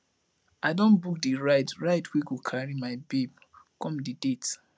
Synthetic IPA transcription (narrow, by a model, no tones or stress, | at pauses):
adɔ̃nbuk̚diɹaɪtɹaɪtwiɡokʰaɹimaɪbeb̚ | kɔ̃mdidet